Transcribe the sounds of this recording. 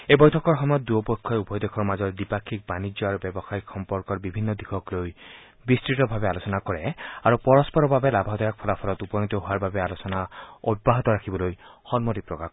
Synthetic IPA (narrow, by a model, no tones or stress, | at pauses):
ebɔjtʰɔkɔɹɦɔmɔjɔt̪̚d̪uɔpɔkʰːɔeubɔjd̪ekʰɔɹmazɔɹd̪ipakʰːik̚banid͡ʒjɔaɾubebɔxaikxɔmpɔɾkɔɹbibʱinːɔd̪ikʰɔkloj | bistɹitɔbʱabealosɔnakɔɹeaɾupɔɾɔspɔɾɔbabelabʱaɦɔd̪ɔjak̚pʰɔlapʰɔlɔt̪upɔjɔŋt̪ɔɦuaɾbabealosɔnaɔbaɦɔt̪ɔɾakʰibɔlojhɔnmɔtipɹɔka